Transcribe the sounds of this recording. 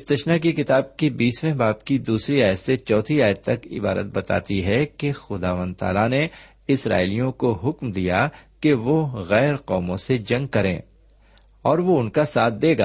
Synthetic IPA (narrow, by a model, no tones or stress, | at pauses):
ɪst̪ɐʃnakikɪt̪aːb̚kibiːsmɛ̃ɦbaːpkid̪uːsɾiaːjət̪set͡ʃɔːt̪ʰɾiaːjət̪̚ːɐkɪ̰baːɾə̰t̪̚bɐt̪a̰ːt̪iɦɛkexʊd̪a̰ːʋə̃nd̪̚t̪a̰ːlane | ɪsɾa̰ːɪlijõkoɦʊkmd̪ijakeʋoɣɛːɾqɔːmõsed͡ʒɐ̃ŋɡ̚kɐɾḛ̃ː | ɔːɾʋoʊnkasaːt̪̚ʰd̪eːɡa̰ː